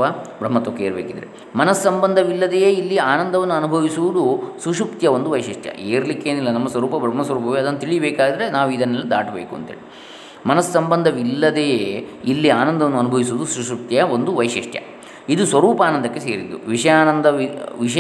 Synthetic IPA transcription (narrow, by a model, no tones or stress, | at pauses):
ɐbɾɐmːɐt̪okeːɾbḛːkid̪ɐɾḛ | mɐnɐsːɐmbɐnd̪ʱɐʋilːɐd̪ejeːilːiaːnɐnd̪ɐʋɐnːuɐnubʱɐʋisuʋud̪usuʂupt̪jɐond̪uʋɐjʂiʂʈjɐ̰ʔeːɾlikːeːnilːɐnɐmːɐsʋɐɾuːpɐbɾɐmːɐsʋɐɾuːpɐʋeɐd̪ɐnːɐt̪iɭibeːkaːɡid̪ɐɾenaːʋuid̪ɐnːɐlːid̪a̰ːʈbeːkuɐnt̪ɦḛːɭi | mɐnɐsːɐmbɐnd̪ʱɐʋilːɐd̪ejeːilːiaːnɐnd̪ɐʋɐnːuɐnubʱɐʋisuʋd̪usuʂup̚t̪jɐond̪uʋɐjʂiʂʈʰjɐ̰ | id̪usʋɐɾuːpaːnɐnd̪ʱɐkːese̞ːɾid̪ːṵʋiʂɐjaːnɐnd̪ʱɐiʋiʂɐ